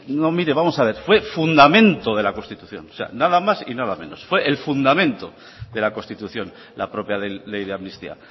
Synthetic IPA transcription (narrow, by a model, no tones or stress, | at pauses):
nomiɾe̞βamo̞saβ̞e̞ɾfwe̞fund̪amẽ̞nt̪o̞ð̞e̞lakonst̪it̪uθjo̞̰no̥se̞̰a̰naðamasḭnaðamẽ̞no̞sfwe̞ʔelfund̪amẽ̞nt̪o̞ | ðe̞lako̞st̪it̪uθjo̞n | la̰pɾo̞pjalelejðeamnist̪ḭa̰